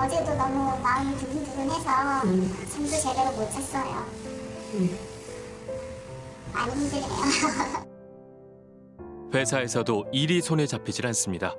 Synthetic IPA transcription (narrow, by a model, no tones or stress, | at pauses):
ʌd͡ʑe̞donʌmumaɯmɯɭt͡ɕukʰintuɡonɦe̞sʰʌsʰams̬ʰut͡ɕedeɾomot͡ɕʰas͈ʌjo | a̰ɲinɯndɯɾinḛjo | ɸe̞sʰae̞sʰʌdoiɾisʰonet͡ɕapʰid͡ʑiɾans͈ɯmɲida